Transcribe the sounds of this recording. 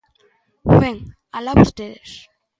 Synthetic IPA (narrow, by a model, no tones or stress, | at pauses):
weŋ | alaβust̪eðes